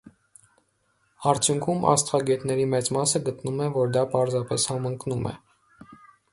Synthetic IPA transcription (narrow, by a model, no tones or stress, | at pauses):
ɑɾt͡sʰjuŋkʰumʔɑ̰st̪ʁɑɡɛt̪nɛɾimɛt͡smɑsəɡət̪numɛvɔɾd̪ɑpɑɾzɑpɛshɑməŋknumʔɛ̰